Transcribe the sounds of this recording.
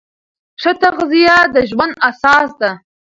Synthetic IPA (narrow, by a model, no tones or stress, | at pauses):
ʂət̪aɣzijad̪əʒwand̪asɑsd̪a